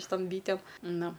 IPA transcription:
ʃʲɪˈtoːm ˈbʲiːtʲeːm ˈnʊ

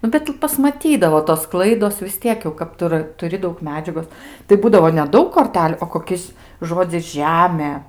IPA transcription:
ˈnʊ bʲɛt pɐsmɐˈtʲiːdɐʋoː toːs ˈklˠɐɪdoːs ʋʲɪs ˈtʲiɛk jɛʊ kɐt ˈtʊ rɐ tʊˈrʲɪ ˈdɐʊk mʲɛˈd͡ʒʲæːɡoːs tɐɪ ˈbuːdɐʋoː nʲɛˈdɐʊk koːrʲˈtʲæːlʲʊ oː koːˈkʲɪs ˈʒoːd͡zʲɪs ˈʒʲæːmʲeː

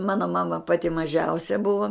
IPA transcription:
ˈmɑːnoː ˈmɑːmɐ ˈpɑːtʲɪ mɐˈʒʲɛʊsʲɛ ˈbʊʋoː

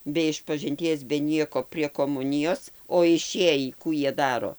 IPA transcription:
bʲɛ ɪʃpɐʒʲɪnʲˈtʲiɛs bʲɛ ˈnʲiɛkoː pʲrʲiɛ koːˈmʊnʲɪjoːs oː ɪˈʃʲeːjiː ˈkuː ˈjiɛ ˈdɑːroː

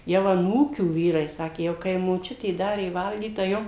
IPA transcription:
jɛʊ ɐˈnuːkʲuː ˈʋʲiːrɐɪ ˈsɑːkʲeː jɛʊ kɐɪ moːˈt͡ʃʲʊtʲeː ˈdɑːrʲeː ˈʋɐlʲɡʲiːt tɐɪ ˈjoːm

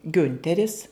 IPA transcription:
ˈɡʲʊnʲtʲɛrʲɪs

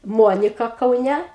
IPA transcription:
ˈmuɔnʲɪkɐ kɐʊˈnʲɛ

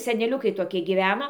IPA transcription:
sʲɛnʲɛˈlʲʊkɐɪ toːˈkʲiɛ ɡʲiːˈʋʲæːnoː

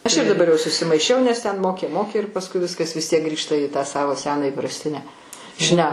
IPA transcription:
ˈɐʃ ɪr dɐˈbɐr jɛʊ sʊsʲɪmɐɪˈʃʲɛʊ nʲɛs ˈtʲɛn ˈmoːkʲeː ˈmoːkʲeː ɪr pɐsˈkʊɪ ˈʋʲɪskɐs ʋʲɪs ˈtʲiɛk ˈɡrʲiːʃtɐ iː tɑː ˈsɑːʋoː ˈsʲæːnɑː iːprɐsʲˈtʲɪnʲæː ˈʃʲnʲɛ

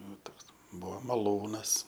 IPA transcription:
ˈnʊ ˈtoːks ˈbuɔ mɐˈlˠuːnɐs

